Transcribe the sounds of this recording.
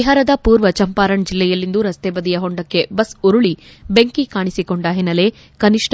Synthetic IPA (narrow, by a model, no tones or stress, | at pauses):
iɦɐɾɐd̪ɐpuːɾʋɐt͡ʃɐmpaːɾɐɳd͡ʒilːɛjɐlːind̪uɾɐst̪eːbɐd̪ijɐɦoɳɖɐkːe̞bɐsuɾuɭibeŋkikaːɳisiko̞ɳɖɐɦinːɐle | kɐniʂʈʰ